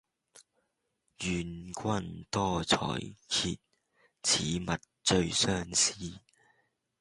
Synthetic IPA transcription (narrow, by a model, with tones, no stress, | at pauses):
jyː˨nkʰʷɐ˥nt̪ɔː˥t͡sʰɔ̰ː˨˩jkʰḭ˧t̚ | t͡sʰiː˨˥mɐ˨t̚ | t͡ʃɵ˧ɥsœː˥ŋsiː˥